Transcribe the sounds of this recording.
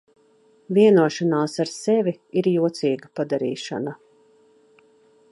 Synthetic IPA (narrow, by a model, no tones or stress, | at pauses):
viɛnuɔʃanaːsaɾsɛvʲiiɾjuɔt̪siːɡapad̪aɾḭːʃa̰na